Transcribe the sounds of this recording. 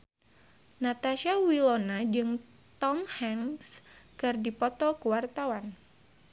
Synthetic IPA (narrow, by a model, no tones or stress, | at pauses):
nat̪aʃiawilonad͡ʒɨŋ | t̪ɔmhɛŋskɨrdipɔt̪ɔkəwart̪awan